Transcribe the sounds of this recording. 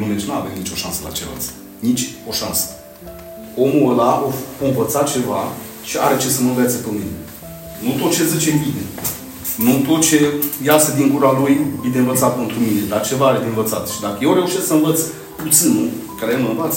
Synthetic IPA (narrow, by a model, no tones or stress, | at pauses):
mumet͡ʃnua̰vemnit͡ʃo̞ʃansəla̰t͡ʃeva̰t̪sə | nit͡ʃʲo̞ʃansə̥ | o̞muəlaʔoɨnvət̪sat̪̚t͡ʃe̞va | ʃia̰ɾe̞t͡ʃe̞səmənvet̪səpemine | nut̪o̞t̪̚t͡ʃe̞zət͡ʃembine | nut̪o̞t̪̚t͡ʃe̞jasəd̪iŋɡuɾalujbid̪envət̪sat̪̚pent̪ɾumine̞d̪art͡ʃe̞vaaɾed̪envət̪sat̪ʃid̪akəjewɾe̞uʃessəɨnvət̪s | put̪sinukaɾeemənvat̪s